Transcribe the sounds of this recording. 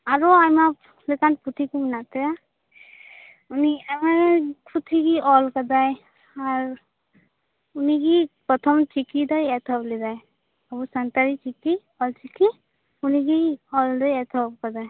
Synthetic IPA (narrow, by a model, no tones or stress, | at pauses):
aɾɔajma | lekanput̪ʰikumnat̪ɛja | uniajmapʰut̪ʰiɡiʔɔlkadaj | aɹ | uniɡipɔt̪ʰɔmt͡ʃikid̪ɔjɛt̪ʰɔblidaj | abusant̪aɾit͡ʃiki | ɔlt͡ʃiki | uniɡiɔldɔjɛt̪ʰɔp̚kadaj